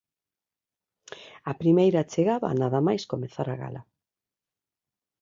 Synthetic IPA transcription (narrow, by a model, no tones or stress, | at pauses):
apɾimejɾat͡ʃeɣaβa̰naðamajskomeθaɾaɣa̰la̰